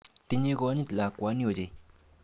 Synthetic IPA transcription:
t̪eɲiɡoɦɲət̪lakwanijod͡ʑe

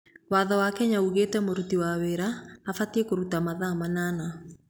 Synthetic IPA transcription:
waðɔwakɛɲauɣetɛmoɾutiwaweɾaːfatiekoɾutamaðaːmanana

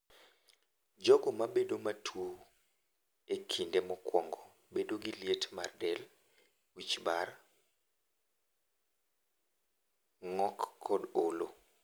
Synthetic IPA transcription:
d͡ʒɔɡomabedomatʰwo | ekʰindemɔkwɔŋɡɔ | bedoɡiljetma̰rdɛl | wit͡ʃbar | ŋɔkʰːɔdolo

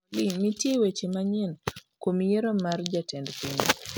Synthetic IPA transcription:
limitjewet͡ʃemaɲɛnkomjeɾomard͡ʒatɛndpiɲi

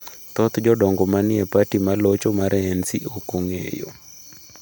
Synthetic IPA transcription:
t̪ɔt̪d͡ʒɔdɔŋɡɔmanɪɛpatimalot͡ʃomaɾɛɛnsiokoŋḛjo̰

